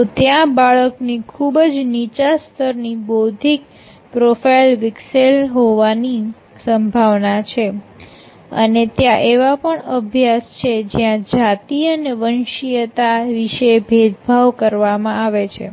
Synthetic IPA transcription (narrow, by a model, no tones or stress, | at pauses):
t̪ot̪jãbaɭəknikʰubd͡ʒnit͡ʃast̪ʰəɾnibod̪ʱik̚ | pɾofailʋɪkselɦoʋani | səmbʱaʋnat͡ʃʰe | ə̰net̪jãʔeʋapəɳəbʱjast͡ʃʰed͡ʒjãd͡ʒat̪iəneʋənʃijət̪aʋiʃebʱed̪bʱaʋkəɾʋamãaʋet͡ʃʰḛ